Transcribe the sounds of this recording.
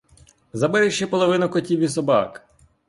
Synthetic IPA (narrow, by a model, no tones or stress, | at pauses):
zɐbɛɾeʃt͡ʃːɛpɔlˠɔʋɪnʊkɔtʲiwʲisɔbɑ̰k